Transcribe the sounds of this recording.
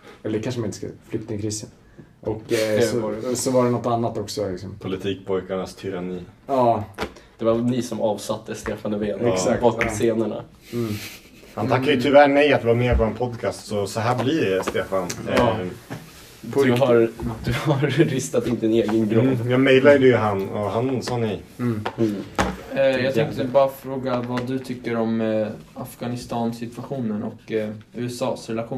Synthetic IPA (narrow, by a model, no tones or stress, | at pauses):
ɛlːəkʰanʂəmanɪnt̪ə̥ska̰flʏk̚t̪ɪŋkʰɾiːsən | ʔɔkːsɔsɔvaɖɛnɔt̪ːanːat̪ːɔksɔlɪksɔmpʰʊlɪt̪ʰiːk̚pʰɔjkaɳast̪ʰʏɾaniːɑːd̪̥ɛvaɾnɪsɔmɑːvsat̪ʰːəst̪eːfanəveːnɛsakɔseːnəɳa̰ | hant̪ʰakːajət̪ʰʏvæːɳɛjat̪̚ɪvaɾmeːɾpɔɛnpʰɔd̪kʰaːst̪sɔsɔɦæːblɪɖɛst̪eːfan | pɦaɾd̪̥ɵhaɾːɪst̪at̪ɪnt̪əɛneːɡənɡɾɔjɑːmɛjlad̪d̪ɛjəɦanɔɦansɑːnɪ | jɑɡt̪ʰŋt̪əɛbɑːɾafɾoːɡavad̪ɵt̪ʰʏkːəɾɔm | afɡanɪst̪ɑːnsɪt̪vaɧuːnənɔ̰kʉ̟ːɛsɑːsɾɛlaɧuː